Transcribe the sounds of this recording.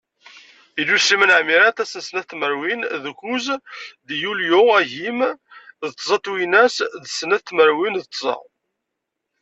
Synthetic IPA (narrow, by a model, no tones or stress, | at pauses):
ilːusimənʕmiɾæt̪æsənsnæθt̪ːməɾwinðkuzd̪juljuæʝimðət̪ˤːzˤɑt̪winæsðsnæθt̪məɾwinðət̪ˤːzˤɑ̰